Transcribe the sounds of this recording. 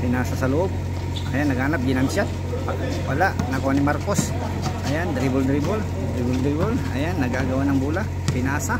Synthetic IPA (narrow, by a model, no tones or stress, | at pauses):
pɪnasasɐloʔob̚ | ʔajanːɐɡaːnap̚ɡɪnansjat̪̚ | pa | wɐlaʔnɐkoanimaɾkos | ʔajand̪ɾibʊld̪ɾibʊl | d̪ɾibʊld̪ɾibʊla̰janːɐɡaɡɐwanɐŋbulaʔ | pɪnaːsa